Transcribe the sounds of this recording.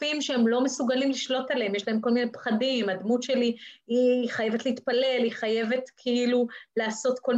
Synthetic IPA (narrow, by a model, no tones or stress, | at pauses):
imʃeemlo̞me̞suɡalimliʃlo̞tale̞emje̞ʃlae̞mko̞lmine̞pχadimadmutʃe̞liiχaje̞vet̪leit̪pale̞liχaje̞ve̞tkʰeilulaːso̞tko̞l